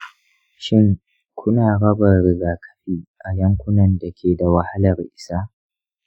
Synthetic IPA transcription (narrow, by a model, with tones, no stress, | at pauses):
ʃɪ˦ŋ | kʷʰʊ˦naː˨ɽɐ˦bɐ˨rɾɪ˨ɡaː˨kʰɐ̥˦ɸiː˦˨ʔa˨jɐ˦ŋkʷʊ˦nɐ˨nda˨kʲʰeː˨da˨wa˨ha˦lɐ˨rʔɪ˨saː˦